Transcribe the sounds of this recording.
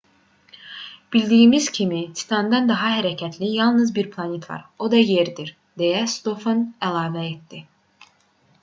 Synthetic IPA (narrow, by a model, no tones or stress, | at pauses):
b̥ilʲd̪iːimiz̥cʰimit͡s̪ʰi̥t̪ʰɑnd̪ɑnd̪ɑɦɑɦæɾæcʰæt̪ʰlʲijɑlˠnɯzbiɾpʰlˠɑnet̪ʰvɑ̰ɾo̞d̪ɑjeɾd̪iɾ | d̪ejæst̪ofonælˠɑːvæet̪d̪i